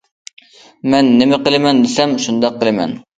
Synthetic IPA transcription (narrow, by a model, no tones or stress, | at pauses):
mɛnːɪmɪqəlˠɨmɛnd̪ɪsɛmʃund̪ɑqːəlˠɨmɛ̰n